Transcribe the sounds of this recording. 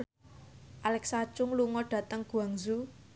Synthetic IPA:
ʔalɛksat͡ʃʊŋluŋɔɖ̥ä̤t̪əŋɡ̥ṳaŋzu

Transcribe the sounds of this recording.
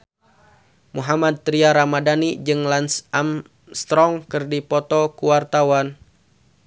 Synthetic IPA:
muɦamad̪̚t̪ɾiaɾamadanid͡ʒɨŋlansam | st̪ɾɔŋkɨrdipɔt̪ɔkuwart̪awan

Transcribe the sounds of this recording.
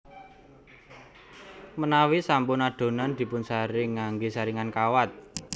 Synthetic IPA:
mənawisampʊnaɖ̪̥o̤nand̪̥i̤pʊnsaɾɪŋːaŋɡisaɾiŋankawat̪̚

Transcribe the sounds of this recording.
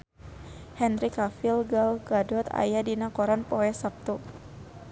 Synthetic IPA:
hɛnɾikafilɡalɡadɔt̪a̰jadinakɔɾanpɔɛsap̚t̪u

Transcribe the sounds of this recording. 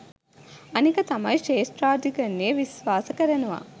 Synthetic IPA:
ɐnikɐt̪ɐmɐ̰jʂeːsʈɾaːd̪ikənːeːʋisʋaːsɐkəɾɐnuʋa̰

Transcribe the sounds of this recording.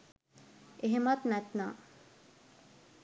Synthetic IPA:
eɦemɐt̪næt̪na̰ː

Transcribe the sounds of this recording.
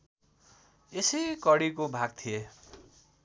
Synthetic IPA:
esijkʌɽikobʱaɡ̚t̪ʰije

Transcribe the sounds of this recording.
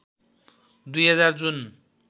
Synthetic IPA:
d̪ujɦʌd͡zard͡zun

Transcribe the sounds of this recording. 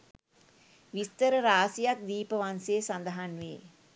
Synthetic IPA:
ʋist̪əɾəɾaːsijak̚d̪iːpəʋanseːsand̪əɦanʋḛː

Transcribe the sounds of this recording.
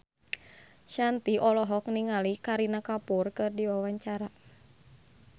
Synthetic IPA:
ʃant̪iʔɔlɔɦɔk̚niŋalikaɾinakapurkɨrdiwawaɲt͡ʃaɾa

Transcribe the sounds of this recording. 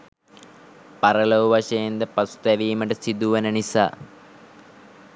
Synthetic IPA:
pɐɾɐlɐʋʋɐʂɐjɐnd̪ɐpɐsu̥t̪ɐʋiːmɐʈɐsid̪uʋɐnɐnisa̰ː

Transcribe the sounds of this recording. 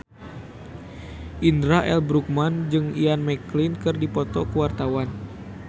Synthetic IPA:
ʔindɾaʔɛlbɾuk̚mand͡ʒɨŋianmɛklinkɨrdipɔt̪ɔkəwart̪awan

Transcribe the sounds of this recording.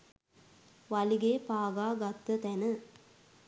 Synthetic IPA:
ʋaliɡeːpaːɡaːɡat̪ːət̪ænə

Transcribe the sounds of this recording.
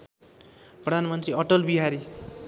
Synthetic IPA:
prʌd̪ʱanmʌnt̪ɾiʌʈʌlbiɦaɾi

